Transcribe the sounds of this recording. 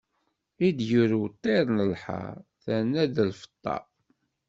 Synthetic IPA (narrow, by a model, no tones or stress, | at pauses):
id̪juɾut̪ˤːeɾnəlħɑ̰ɾθænːæðəlfə̥t̪ˤːɑ̰